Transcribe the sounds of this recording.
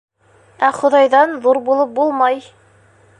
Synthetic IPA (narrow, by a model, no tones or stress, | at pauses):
æχŏðɑjðɑnðuɾbulˠɤp̚bulˠmɑj